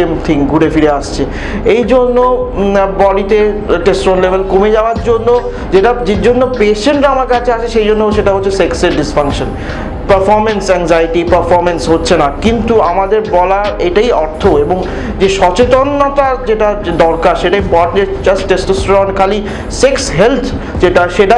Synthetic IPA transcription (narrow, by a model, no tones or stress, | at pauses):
emt̪ʰiŋɡuɽefiɾeaʃt͡ɕʰe | ejd͡ʑonːobɔɖit̪eʈesʈɾonlebʱelkomed͡ʑaoaɾd͡ʑonːo | d͡ʑeʈad͡ʑed͡ʑonːopeʃeɳʈɾaamaɾkeat͡ɕʰeat͡ɕʰeʃejd͡ʑonːoʃeʈaɦotːʰesekseɖisfaŋkʃən | pəɾfɔɾmensɛŋzajʈipəɾfɔɾmensɦotːɕʰenakint̪uamad̪eɾbɔlaeʈaiɔɾt̪ʰoeboŋ | d͡ʑeʃɔt͡ɕet̪onːot̪ad͡ʑeʈad̪ɔɾkaʃeʈaimpɔʈned͡ʑasʈʈesʈosʈoɾankʰali | seksɦelt̪ʰ | d͡ʑeʈaʃeʈa